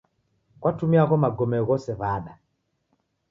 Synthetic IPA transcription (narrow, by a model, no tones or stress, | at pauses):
kwatumiaɣɔmaɡɔmɛɔɣɔsɛβaːɗa